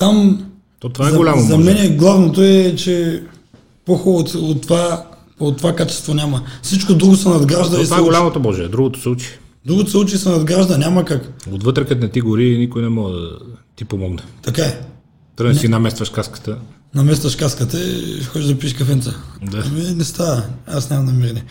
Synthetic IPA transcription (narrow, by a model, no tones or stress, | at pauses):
t̪am | t̪ot̪ovaɛɐɡolʲamozɐmmɛnɛɡlˠavnot̪oɛt͡ʃɛ | poxɔt̪ot̪ːva | ot̪ːovakat͡ʃɛ̥st̪vonʲamɐsit͡ʃkod̪ɾuɡosɐnɐd̪ɡɾaʒd̪ɐɔsɛɡolʲmot̪obɔʒɛɛd̪ɾuɡot̪o̥sut͡ʃi̥d̪ɾuɡot̪osɛut͡ʃisɛnɐd̪ɡɾaʒd̪ɐnʲamɐkakot̪vət̪ɾɛkət̪nɛt̪iɡoɾinikojnɛmɔɡəd̪ət̪ipomɔɡnɛt̪ɐkaɛ | t̪əɾɡnsinɐmɛst̪vɐʃkaskə̥t̪ə | nɐmɛst̪vɐʃkaskət̪ɐ̰xɔd͡ʒʲiʒd̪ɐpiʃkɐfɛnt̪sɐd̪aɐmɛɛnɛst̪aɐasnʲamɐmnɐmiɾɛnɛ